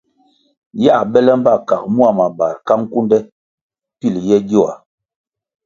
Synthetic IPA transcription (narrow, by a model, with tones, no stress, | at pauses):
ja˦˨ɓɛ˦lɛ˦m˦ba˦˨ka˨k̚mu˦a˨ma˨ba˨ɾka˦ŋ̩˦ku˦ndɛ˦ | pi˦˨ljɛ˦dɔ˦˨a̰˨